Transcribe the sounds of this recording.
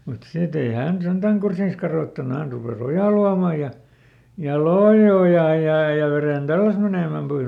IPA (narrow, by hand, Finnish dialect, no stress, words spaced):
mut sit ei hæˑn sentæŋ kursiːs kɑroˑtːɑnu hæn rupeˑs ojɑˑ luɑmˑɑ jɑ jɑ loi ojɑˑ jɑ jɑ ʋeren tælːæs meneˑmæm pois